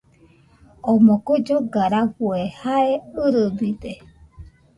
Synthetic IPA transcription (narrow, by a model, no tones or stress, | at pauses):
omõkod͡ʒoɡaɾaɸuehaeɯɾɨbide